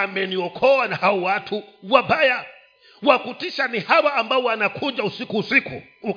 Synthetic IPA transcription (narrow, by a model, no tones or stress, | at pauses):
amɛniɔkʰɔwanahaɔwatʰuwabaja | wakutiʃanihawaːmbaɔwanakʰuʄausikuːsikṵ | u